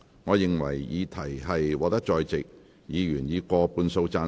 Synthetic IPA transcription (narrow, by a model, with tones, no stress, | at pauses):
ŋɔː˨˧jɪ˨ŋwɐ̰˨˩jjiː˨˧t̪ʰɐ˨˩jɦɐ˨jwɔː˨˧k̚t̪ɐ˥k̚t͡ʃɔː˧jt͡sɪ˨k̚ | jiː˨˧jyː˨˩njiː˨˧kʷɔː˧puː˧nso˧wt͡saː˧